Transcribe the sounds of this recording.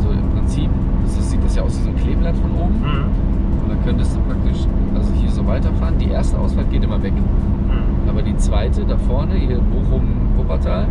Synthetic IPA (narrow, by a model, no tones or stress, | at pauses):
ʔzoɪ̰mpʁ̥ɪnt͡siːp | asz̥iːt̚d̥asjaːʊsv̥iːzomkʰl̥eːblatfɔnʔoːbm̩ | ʊnd̥akʰœntəstd̥uːpʁ̥ak̚tɪʃʔalzohiːɐzoːvaɪtɐfaːʁəndiːʔeːɐstəʔa̰ʊsfaltɡ̥eːtʔɪmɐvɛk | ʔaːbɐdiːt͡sv̥aɪtədafɔɐnəhiːɐboːχʊm | ʁʊpɐtʰaːl